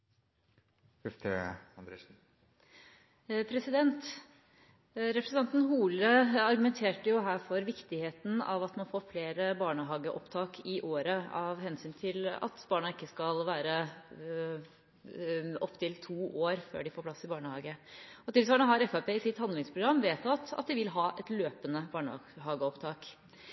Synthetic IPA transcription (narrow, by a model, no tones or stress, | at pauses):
fɛft̪ʰə̰ɑnd̪ɾeːʂn̩ | pʰɾɛsɪd̪ɛnt̪ | ɾɛpɾəsn̩ɑnt̪n̩ɦuːləɑɾɡʉmɛnt̪ʰeːʈəjʊɦæːfɔɾʋɪkt̪ɪheːt̪n̩ɑ̰ʋɑt̪mɑnfoːɾfleːɾəbɑːɳəɦɑːɡəʔɔpt̪ʰɑːkʰɪʔoːɾəɑʋhɛnsyːnt̪ʰɪlɑ̰t̪bɑːɳɑɪkːəskɑlʋæːɾə | ɔpːt̪ʰɪlt̪ʰuːʔoːɾfø̰ːɖɪfoːpʰlɑsɪbɑːɳəhɑːɡəɔt̪ɪlsʋɑːɳəɦɑɾɛfæpeːɪsɪt̪hɑnd̪lɪŋspʰɾʊɡɾɑmːʋeːt̪ɑt̪ɑ̰t̪̚d̪ɪʋɪlɦɑːʔɛt̪løːpənəbɑːɳhɑːɡəɔpt̪ʰɑːk